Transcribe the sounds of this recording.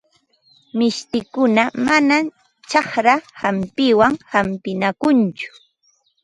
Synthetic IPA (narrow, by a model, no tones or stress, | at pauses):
mɪʃt̪ɪkʊnamana | t͡ʃɑhɾahampɪwaŋhampɪnakʊnt͡ʃʊ̥